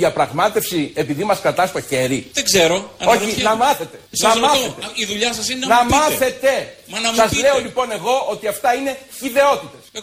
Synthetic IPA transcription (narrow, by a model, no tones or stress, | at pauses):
iɐpɾɐɣmɐt̪e̞fsie̞piðimɐskɾɐt̪ɐst̪o̞çe̞ɾieɡzeɾoo̞çinɐmɐθe̞t̪e̞nɐmɐθet̪iðuʎɐsɐsinenɐmɐθe̞t̪e̞ɐsɐzle̞o̞lipo̞ne̞ɣo̞ot̪iɐft̪ɐine̞çiðe̞o̞t̪it̪e̞s